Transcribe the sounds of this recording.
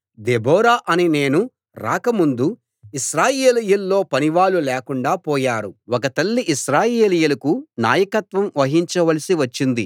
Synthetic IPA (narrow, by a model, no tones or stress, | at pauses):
d̪ebɔːɾaːʔɐnine̞ːnu | ɾa̰ːkɐmund̪u | iʃɾaːjeːlijulːo̞ːpɐniʋaːlulɛːkuɳɖaːpɔːjaːɾuwɔkɐt̪ɐlːiʔiʃɾaːjeːlijulɐkuna̰ːjɐkɐt̪ʋɐmʋɐɦiɲt͡ʃɐʋɐlɐsiʋɐt͡ʃːind̪i